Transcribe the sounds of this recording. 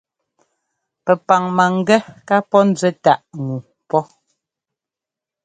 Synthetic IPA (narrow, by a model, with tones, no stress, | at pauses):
pɛ˨pa˨ŋma˨ŋ̩˦˨ɡɛ˦ka˦pɔ˦n̩˦d͡zɥɛ˦ta˦ʔŋu˨ | pɔ˦